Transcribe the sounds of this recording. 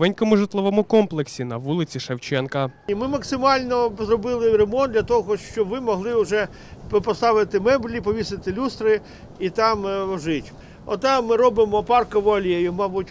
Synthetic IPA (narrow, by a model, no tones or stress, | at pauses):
ʋɛnʲkɔmʊʒɪt̪lˠɔʋɔmʊkɔmplˠeksʲinɐʋulˠɪt͡sʲiʃɐwt͡ʃɛnkɐmɪmɐksɪmɑlʲnɔzɾɔbɪlˠɪɾemɔnd̪lʲɐt̪ɔɦɔʃt͡ʃɔbʋɪmɔɦlˠɪʊʒɛ | pɔst̪ɑʋɪt̪ɪmɛblʲipɔʋʲisɪt̪ɪlʲust̪ɾɪ | it̪ɑmʋɔʒɪtʲ | ɔ̰t̪ɑmːɪɾɔbɪmɔpɑrkɐʋɐlʲjejʊmɑbʊtʲ